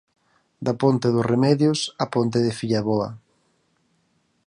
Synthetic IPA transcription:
d̪apont̪eðʊsremɛðjʊsapont̪eðɪfiʎaβɔɐ̰

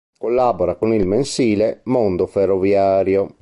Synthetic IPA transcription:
kolːaboɾakonilmensiːlemond̪oferːovjaːɾjo

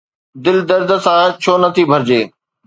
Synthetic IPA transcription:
d̪ɪld̪əɾd̪sãːt͡ɕʰoːnɐt̪ʰibʱɐɾd͡ʑeː

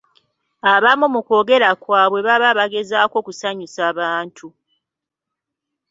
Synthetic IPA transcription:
aβamumuko̞ːɡe̞ɾakwaːβwe̞βaβaβaɡe̞zaːko̞ːkusaɲusaːβaːntʰu

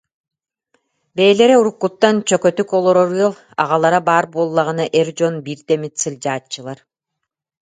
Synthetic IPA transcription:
bɛːlɛɾɛuɾukːut̪ːant͡ɕœkœt̪ykɔlˠɔɾɔɾɯlˠ | a̰ʁalˠaɾabaːɾbuɔlˠːaʁɯnaʔɛɾd͡ʑɔnbiɾt̪ɛmit̪sɯlʲd͡ʑaːt͡ɕːɯlˠaɾ

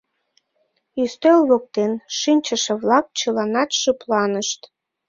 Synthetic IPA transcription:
yst̪ølβok̚t̪enʃinʲt͡ɕəʃeβlɑk̚t͡ɕəlɑnɑt̪ʃəplɑnəʃt̪

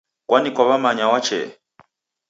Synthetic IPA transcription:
kwanikwaβamaɲawat͡ʃɛ̰

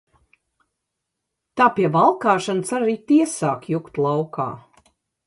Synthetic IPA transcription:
t̪aːpiɛvalˠkaːʃansaɾaɾiːt̪iɛsaːkjukt̪lˠɑwkʰa̰ː

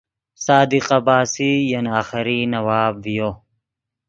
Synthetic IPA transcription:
saːd̪iqɐbaːsijɐnaːxɪɾinɐwaːbvijoː

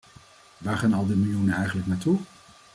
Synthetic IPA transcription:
ʋaːɹχaːnɑlˠdimɪlˠjunənɛjχənləknaːtu

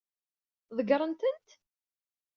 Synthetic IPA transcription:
ðəɡɾˤənt̪ənt̪

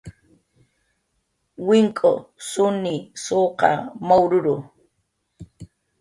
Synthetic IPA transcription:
wɪŋkʼo̰sʊnɪsoːqɑ̰mawɾʊɾʊ

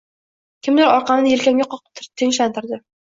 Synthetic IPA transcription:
kʲʰɪmd̪ɪɾɒɾqɑmnɪjelkʲamɡʲaqʰɒqɨ̥p̚t̪ʰt̪ʰɪŋʃant̪ɪɾd̪ɪ

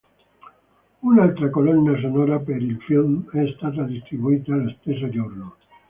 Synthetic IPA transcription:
unalt̪ɾakolonːas̬onoɾapeɾilfilmest̪at̪̬aðist̪ɾiβuit̪aːlest̪es̬od͡ʒoɾno

